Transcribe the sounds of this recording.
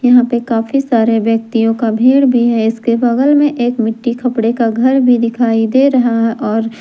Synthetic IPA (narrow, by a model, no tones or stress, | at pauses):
jɐɦãpekaːfisaːɾeʋjɐk̚t̪ijõkabʱiːɽbʱiɦɛɪskebɐɡəlmẽʔeːkmɪʈːikʰɐpɽekaɡʱɐɾbʱid̪ɪkʰaːid̪eɾɐɦaɦɛʔɔːɾ